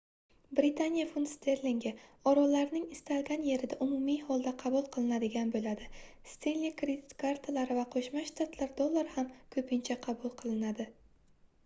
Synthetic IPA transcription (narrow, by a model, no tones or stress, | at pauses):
bɾɪt̪ʰanijafunst̪ʰeɾliŋɡʲɪɒɾɒlaɾnɪŋɪst̪alɡʲanje̞ɾɪd̪aʔʊmʊmihɒlˠd̪aqʰɑbulˠqʰɨlˠɪnad̪ɪɡʲanbolad̪ɪst̪ellːikɾed̪it̪kʰaɾt̪ʰalaɾɪvaqʰoʃmaʃt̪at̪ʰlaɾd̪olˠːaɾhamkʰɵpʰɪnt͡ʃʰaqʰɑbulˠqʰɨlˠɪnad̪ɪ